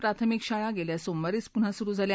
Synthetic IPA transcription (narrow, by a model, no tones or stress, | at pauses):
pɾat̪ʰəmikɕaɭaɡeljasombəɾiːt͡spun̤asuɾuːd͡zʱalj